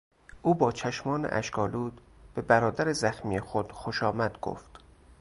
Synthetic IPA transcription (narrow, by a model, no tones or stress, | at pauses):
ʔuːbɒːt͡ʃʰæʃmɒːnḛʔæ̰ʃkʰɒːluːd̪b̥e̞bæɾɒːd̪æɾezæxmiːjexod̪̥xoʃɒːmæd̪̥ɡo̰ft̪